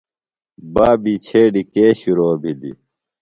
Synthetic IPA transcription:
baːbiːt͡ɕʰeːɖikeːɕuɾoːbʱid̪ḭ

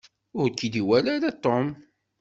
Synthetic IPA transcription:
ʊɾkːid̪iwælaɾat̪ˤːom

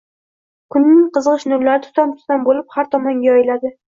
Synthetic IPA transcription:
kʰʊnːɪŋqɨzʁɨʃnʊɾlːaɾɪt̪ʰʊ̥t̪ʰamt̪ʰʊ̥t̪anbolɪphaɾt̪ʰɒmɒŋɡʲajɒjɪlad̪ɪ

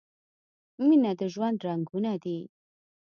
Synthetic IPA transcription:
minad̪əʒwand̪ɾaŋɡunad̪i

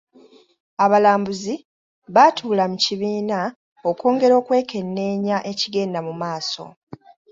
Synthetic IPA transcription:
aβalaːmbuzi | βatʰuːlamuciβiːna | o̞ko̞ːŋɡe̞ɾo̞ːkwe̞ːkʰe̞nːe̞ːɲaʔe̞ciɡe̞ːndamumaːso̞̰

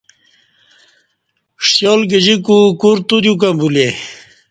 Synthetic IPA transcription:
ʂjɔlɡed͡ʑikukuɾt̪ud̪juk̬ambule

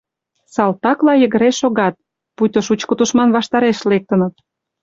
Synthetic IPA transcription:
sɑlt̪ɑklɑjə̆ɣə̆ɾeʃoɣɑt̪̚ | put̪ʲŏʃut͡ɕkət̪uʃmɑnβɑʃt̪ɑɾeʃlek̚t̪ə̆nə̆t̪̚

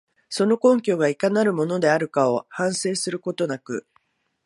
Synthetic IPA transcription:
so̞no̞kõ̞ŋkʲo̞ːɡaikanaɾɯ̟mo̞no̞d̪e̞aɾɯ̟kao̞hãɰ̃se̞ːsɨɾɯ̟ko̞t̪o̞nakɯ̟̰

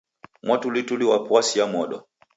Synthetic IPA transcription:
mwatulituliwapwasiamɔɗɔ

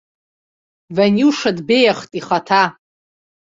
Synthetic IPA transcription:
vanuʂadbejaχtʼiχatʰa

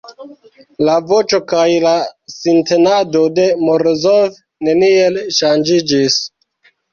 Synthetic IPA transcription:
lavo̞t͡ʃo̞kajlasintenado̞de̞moɾozov | ne̞nielʃand͡ʒid͡ʒis

